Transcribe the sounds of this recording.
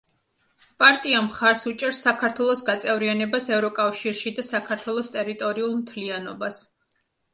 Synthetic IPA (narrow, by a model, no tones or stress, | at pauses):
pʼaɾt̪ʼiamχaɾsut͡ʃʼɛɾsːakʰaɾt̪ʰwɛlˠɔsɡat̪sʼɛvɾianɛbasɛvɾɔkʼafʃiɾʃid̪asakʰaɾt̪ʰwɛlˠɔst̪ʼɛɾit̪ʼɔɾiulˠmt̪ʰlianɔbas